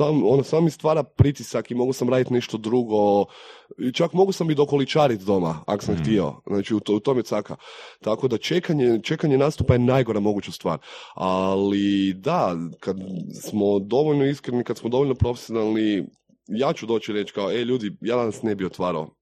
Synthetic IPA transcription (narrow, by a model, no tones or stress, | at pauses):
samo̞nosaːmmist̪ʋaːɾapɾit̪isakimo̞ɡosamɾaːd̪it̪neʃt̪o̞d̪ɾuɡo̞ | t͡ʃakmo̞ɡuosamid̪o̞ko̞lit͡ʃaːɾit̪d̪o̞ma̰a̰ko̥samxt̪io̰znaːt͡ʃiut̪ut̪omjet̪sakat̪ako̞d̪at͡ʃekaɲet͡ʃe̞kaɲenast̪upajenajɡoɾamo̞ɡut͡ʃast̪ʋa̰ːɾalid̪akad̪smod̪o̞ʋo̞ʎnoiskɾenikad̪smod̪ooʎʲno̞pɾo̞fesionalˠni | jaːt͡ʃud̪o̞ːt͡ʃiɾe̞t͡ʃkaoeʎuːd̪ijaːd̪anasnebiot̪ʋaːɾao̰